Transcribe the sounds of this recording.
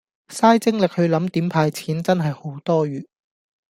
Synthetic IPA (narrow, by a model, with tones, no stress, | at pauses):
saː˥jt͡sɪ˥ŋlɪ˨k̚hɵ˨˧ɥlɐ˨˥mt̪iː˨˥mpʰaː˧jt͡sʰiː˨˥nt͡sɐ˥nɦɐ˨jho˨˥wt̪ɔː˥ɥyː˨